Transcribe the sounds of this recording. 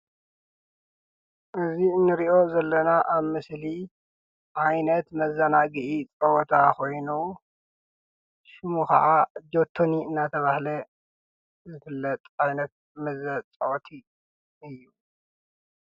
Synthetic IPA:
ʔɨziɨnːɨɾiʔo̞zɐlːɐnaʔaβmɨsli | ʔajnɐt̪mɐzanaɡɨʔit͡sʼɐwɔt̪ʰako̞jnu | ʃɨmukɐ̰ʔad͡ʒot̪ʰːoniɨnːat̪ʰɐβahlɐ | zɨfɨlːɐt̪ʼajnɐt̪̚ | mɐzɐt͡sʼɐʔt̪ʰi | ɨjːu

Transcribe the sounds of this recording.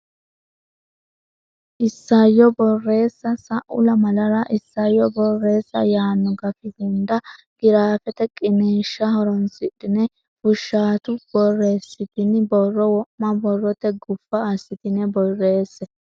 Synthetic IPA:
ʔɪsːajɔbɔrːe̞ːsːɐsɐʔʊ̰lɐmɐlɐɾɐʔɪsːajːɔbɔrːe̞ːsːɐ̰jaːnːɔɡɐfɪɡɪnd̪ɐɡ̥ɪɾaːfɛt̪ɛkʼɪneːʃːɐɦɔɾɔnsɪᶑɪnɛ | fʊʃːaːt̪ʊb̥ɔrːe̞ːsːɪt̪ɪnbɔrːɔwɔʔmɐbɔrːɔt̪ɛɡʊfːɐːsːɪt̪ɪnɛbɔrːe̞ːsːɛ

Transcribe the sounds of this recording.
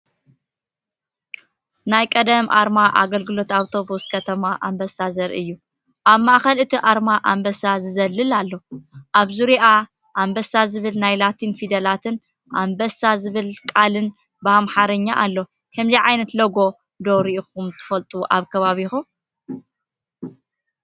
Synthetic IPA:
najkʼɐd̪ɐmʔa̰ɾmaʔa̰ɡɐlɡɨlo̞t̪awt̪ʰo̞buskʰɐt̪ʰɐmaʔambɐsazɐɾʔɨ̰jːu | ʔaβmaʔxɐlɨt̪ʰiʔaɾmaʔambɐsazɨzɐlːɨlalːo̞ʔaβzuɾiʔa | ʔambɐsazɨβɨlnajlat̪ʰinfid̪ɐlat̪ʰɨn | ʔambɐsazɨβɨlkʼalɨn | bɨamħaɾɐɲːaʔalːo̞ | hʰɨmziʕajnɐt̪lɐɡo̞ | d̪oɾiixumt̪ʰɨ̥fɐlt̪ʼuʔaβkʰɐβaβixum

